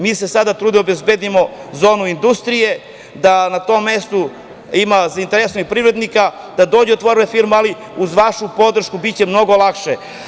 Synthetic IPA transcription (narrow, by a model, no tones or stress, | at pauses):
miːsesad̪at̪ɾuːd̪iobe̞zbed̪imozoːnuind̪ust̪ɾije | d̪anat̪o̞mːest̪u | imazaint̪eɾesnoipɾivɾe̞d̪nika | d̪̥ad̪o̞ːd͡ʑeot̪ʋoɾujefiɾmuali | uzʋaʃupo̞d̪r̩ʃkubit͡ɕemno̞ɡo̞lˠakʃe